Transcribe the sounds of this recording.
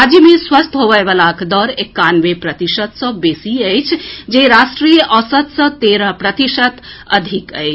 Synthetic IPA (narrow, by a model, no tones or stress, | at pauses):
ad͡ʒəmeswəst̪ʰɦobəjbəlakd̪ɔɾekːanʋepɾət̪isət̪sə̃besiəjt͡ʃʰd͡ʒeɾasʈɾijəʔəsət̪sə̃t̪eɾəɦpɾət̪isət̪əd̪ʱikəjt͡ʃʰ